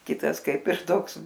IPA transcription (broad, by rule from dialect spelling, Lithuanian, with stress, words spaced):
ˈkʲɪtɐs ˈkɐɪp ɪr ˈtoːks